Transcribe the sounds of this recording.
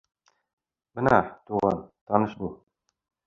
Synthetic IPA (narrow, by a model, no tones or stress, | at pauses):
b̥ɤ̆nɑt̪uʁɑ̰nt̪ɒnɤʃbu